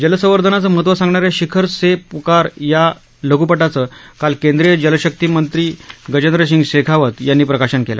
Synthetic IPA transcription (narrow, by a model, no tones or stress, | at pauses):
d͡ʑələsəʋəɾd̪ʱənat͡səməɦət̪ʋəsãŋɡɳaɾjaɕikʰəɾsepukaɾja | ləɡuːpəʈat͡səkalkend̪ɾijəd͡ʑəlɕək̚t̪iːmənt̪ɾiːɡəd͡ʑənd̪ɾəs̬iŋɡɕekʰaʋət̪janːiːpɾəkaɕənkela̰